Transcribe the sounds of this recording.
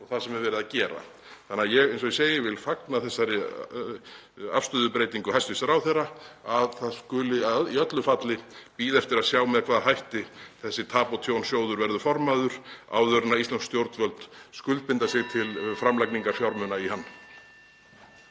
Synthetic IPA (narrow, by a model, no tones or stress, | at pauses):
ɔɣθasɛmɛɾvɛːɾɪðacɛːɾa̰ | θanːajɛɣejnsɔiseːjɪvɪlfaknaθɛsːaɾɪ | a̰fst̪ʏðʏpɾeːjt̪iŋkʏhajst̪ʏsaɾawθɛraaðθaðskʏːlɪaðiœt̪lʏfat̪lɪpiːðɛft̪ɪɾaðsjaːwmɛðkʰvaːðɦajht̪ɪθɛsːɪt̪ʰaːpɔt̪ʰjownsjoːwðʏɾvɛɾðʏfɔɾmaðʏɾ̥a̰ːwðœɾnaɾist̪anskst̪jowɾt̪vœlt̪skʏlt̪̚pɪnt̪asjɛɣt̪ʰɪlfɾamlajkniŋkafjaɾmʏnaihanː